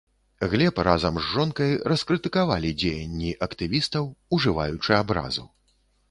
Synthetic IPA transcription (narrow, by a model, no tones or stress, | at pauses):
ɣlʲɛprazɐmzʐɔnkɐjɾɐskɾɨt̪ɨkavalʲid͡zʲejɐnʲːiʔɐkt̪ɨvʲist̪ɐwuʐɨva̰jut͡ʂɨabɾa̰zṵ